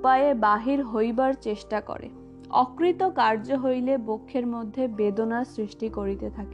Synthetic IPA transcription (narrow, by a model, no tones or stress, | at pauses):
pajebaɦiɾɦojbaɾt͡ɕeʃʈakɔ̰ɾḛ | ɔkɾit̪okaɾd͡ʑoɦojlebokʰːeɾmod̪ʱːebed̪onaɾsɾiʃʈikoɾit̪et̪ʰake